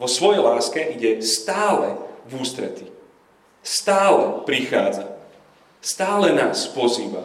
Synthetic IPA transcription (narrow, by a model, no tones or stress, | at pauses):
ʋɔsʋɔjɛjlaːskɛʔiɟɛst̪aːlɛvuːst̪ɾɛ̰t̪i | st̪aːlɛpɾixaːd͡za | st̪aːlɛnaːspɔziːba̰